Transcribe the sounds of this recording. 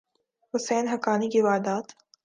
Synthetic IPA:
hʊseːnɦɐkaːnikiʋaːd̪aːt̪

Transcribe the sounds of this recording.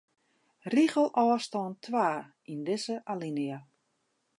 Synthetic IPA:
riɣəlˠʔɔːstɔːntʰwaː | indɪzəʔalinia

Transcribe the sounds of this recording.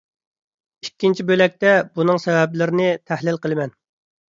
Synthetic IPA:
ikʲːint͡ʃʰibølɛk̚ʲt̪ɛbunɨŋsɛvɛblɪɾɪnɪt̪ʰæhlɪlqəlˠɨmɛn

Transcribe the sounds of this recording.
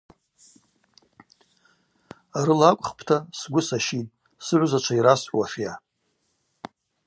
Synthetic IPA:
aɾɨlakʷʼχpʰtʰasɡʷʊsaʃitʼ | sɨʕʷzat͡ʃʷʰaiɾasħʷwaħja

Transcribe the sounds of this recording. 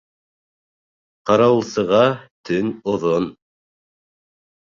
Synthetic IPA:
qɑɾɑw̆lˠsɤ̆ʁɑt̪ʰɵnoðon

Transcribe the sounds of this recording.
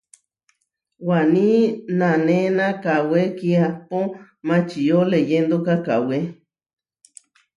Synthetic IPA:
wanĩnãnẽnãkawekiapo | mãt͡ʃijolejend̪okaka̰we

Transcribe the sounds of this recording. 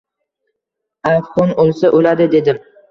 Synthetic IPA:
afχɒnolˠsaʔolad̪ɪd̪e̞d̪ɪm

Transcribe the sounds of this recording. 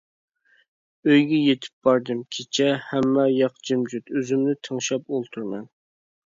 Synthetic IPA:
øjɡʲɛjet̪ʰɪ̥p̚b̥ɑɾd̪ɨmkʲʰet͡ʃʰɛhæmːɛjɑqd͡ʒimd͡ʒyt̪øzymnɪt̪ʰəŋʃɑpolˠt̪ʰuɾmɛn

